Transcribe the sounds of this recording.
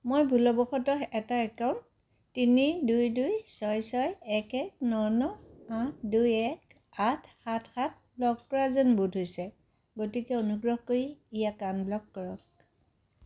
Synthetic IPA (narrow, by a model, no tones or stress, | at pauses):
mojbʱulɔbɔxɔtɔɛtaɛkawntː | inidujdujsɔjsɔjɛkɛk̚nɔnɔatʰdujɛk | atʰxatʰxat̚blɔkːɔɹazɔnbudʱɦojsɛ | ɡotikɛonuɡɹɔɦkoɹiːjakanblɔkːɔɹɔk̚